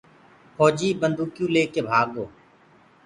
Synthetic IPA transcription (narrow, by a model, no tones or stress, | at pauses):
pʰɔːd͡ʒiːbənd̪ʱuːkjũːleːkeːbʱaːɡoː